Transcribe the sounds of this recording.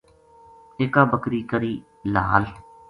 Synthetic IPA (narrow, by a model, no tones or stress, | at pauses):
ɪːkaːbəkɾiːkəɾiː | la̰ːl